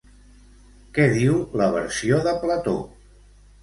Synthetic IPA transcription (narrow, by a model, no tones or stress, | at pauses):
kɛðiwləβəɾsioðəplət̪o̰